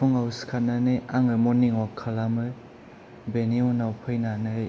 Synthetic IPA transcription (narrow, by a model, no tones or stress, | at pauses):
puŋawskʰananɯaŋɯmɔniŋɔkʰːalamɯ | beniunawpʰɯjnanɯ